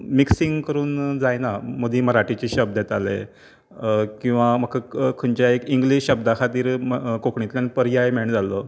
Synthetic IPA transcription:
miksiŋɡkəɾuːnd͡zajnaməd̪iːməɾaʈit͡ɕiɕəb̚d̪jet̪alḛ | kĩw̃ʋam̤əkʰəkʰəɳt͡ɕaekiŋɡliɕɕəbd̪akʰat̪iːɾkokɳit̪ljanipəɾjajmeɳd͡zalo

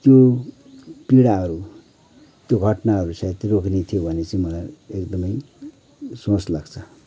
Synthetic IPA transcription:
t̪jo | piɽaɦʌɾu | t̪joɡʱʌʈnaɦʌɾusat̪iroknet̪ʰijobʱʌnet͡saĩmʌlajekd̪ʌmʌj | sõslaɡt͡sʰʌ

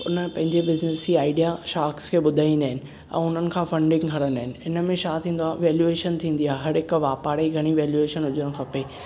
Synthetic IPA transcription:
ʊ̰nəpɐ̃ɦɪ̃ɲd͡ʑebɪznɪsiaːɪɖijaʃaːkskʰeːɓʊd̪ʱaːĩnd̪aːɦɪnɪ̆ | ɛ̰̃ːʊn̤ənɪ̆kʰãːfɐ̃ɳɖɪ̃ŋɡkʰɐɽənaːɦɪnɪ̆ɪnə̆mẽʃaːt̪ʰĩːnd̪oaʋeːljueːʃənt̪ʰĩːn̆d̪iaːɦeɦɐɾɦɪkʋaːpaːɾeiɡʱɐɽ̃iʋeːljueːʃənɦʊd͡ʑəɽ̃̆xʰɐpeː

